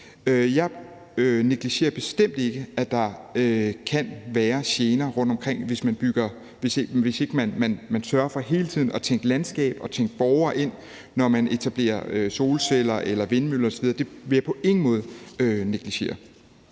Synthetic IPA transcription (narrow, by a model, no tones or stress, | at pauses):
øjɑ̈ɪ | øneɡ̥liɕe̝̰ːɐb̥e̝sd̥em̰d̥e̝ɡ̥əæd̥ɑ̈økʰænʋæːɐɕjeːnɐʁɔ̽n̰d̥ɒ̽mkʰʁeŋ̰ʋe̝smænb̥yɡ̥ɐ | ʋe̝seɡ̥ʋe̝se̝ɡ̥əmænmænmænsɶɐfɒ̽ɦe̝ːlət͡sʰiðˠn̩ɒ̽t͡sʰeŋɡ̥əlænsɡ̥ɛ̰ːb̥ɒ̽t͡sʰeŋ̰ɡ̥əb̥ɒʊɐːʔe̝n̰ | nɒmæne̝t͡sʰæb̥le̝̰ːɐ̰øso̝ːlsel̰ɐʔelɐʋe̝nmylɐɒsɒʋið̞ˠɐd̥e̝ʋe̝jɑ̈pʰɒ̽ʔe̝ŋ̥n̩mɔ̽ːð̞̩ˠøneɡ̥liɕe̝̰ːɐ